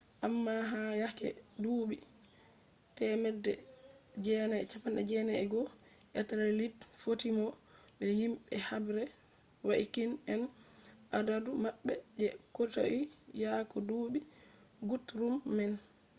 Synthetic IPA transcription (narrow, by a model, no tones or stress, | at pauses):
ʔamːaɦajakɛ̰duːɓi | tɛmɛdːɛd͡ʒɛːnaɛt͡ʃapːanɗɛd͡ʒɛnaɛɡɔ | ʔɛtaɾɛlidfotimɔ | ɓɛjimɓɛhabɾɛ | waʔikinɛnʔadadumaɓːɛd͡ʒɛkoto̰ʔijakɔduːɓi | ɡutɾumːɛn